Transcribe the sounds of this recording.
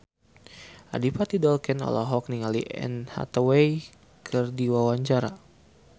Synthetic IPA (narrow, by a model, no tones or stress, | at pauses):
ʔa̰dipat̪idɔlkɛnɔ̰la̰ɦɔk̚niŋaliʔɛ̰nha̰t̪awej | kʰɨrdiwawaɲt͡ʃaɾa